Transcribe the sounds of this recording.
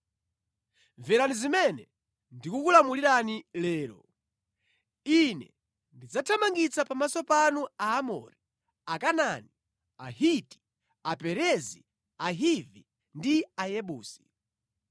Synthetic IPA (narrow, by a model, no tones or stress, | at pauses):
ɱvɛɾanizimɛnɛ | ndikukulamuliɾanilɛːɾɔ̰ | inɛ̰ | ndid͡zatʰamaŋɡit͡sapamasɔpanuaːmɔ̰ɾi | akanani | ahiti̥ | apɛɾɛzḭ | aɦivi | ndiajɛɓuːsi̥